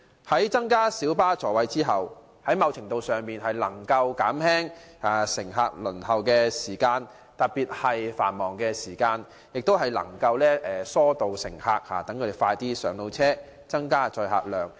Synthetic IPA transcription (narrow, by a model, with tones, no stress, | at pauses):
hɐ˨˥jt͡sɐ˥ŋkaː˥siː˨˥wpaː˥t͡sɔː˨wɐ˨˧jt͡siː˥ɦɐ˨w | hɐ˨˥jmɐ˨˧wt͡sʰɪ˨˩ŋt̪o˧wsœː˨˩ŋmiː˨nɦɐ˨jlɐ˨˩ŋkɐ˧wkaː˨˥mhɛː˥ŋaː˨˩sɪ˨˩ŋɦaː˧k̚lɵ˨˩nɦɐ˨wkɛː˧siː˨˩kaː˧n | t̪ɐ˨t̚piː˨t̚hɐ˨jfa̰ː˨˩nmɔː˨ŋkɛː˧siː˨˩kaː˧n | jɪ˨k̚t̪o˥wɦɐ˨jlɐ̰˨˩ŋkɐ˧wlɛː˥ʔɛː˨sɔː˥t̪o˨wsɪ̰˨˩ŋhaː˧k̚ha̰ː˨˩t̪ɐ˨˥ŋkʰɵ˨˧e˨˩faː˧jt̪iː˥sœː˨˥ŋlo˧wt͡sʰɛː˥ | t͡sɐ˥ŋkaː˥t͡ʃɔː˧jɦa̰ː˨k̚lœː˨˩ŋ